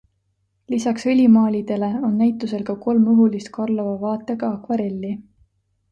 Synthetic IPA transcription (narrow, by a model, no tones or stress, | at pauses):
lisɑksɤlʲimɑːlʲid̪̥e̞le̞o̞nːæjt̪ːˑuse̞lkɑko̞lmuɦulist̪̚kʰɑrlovɑvɑːt̪ːˑeɡɑɑkvɑɾe̞lʲːi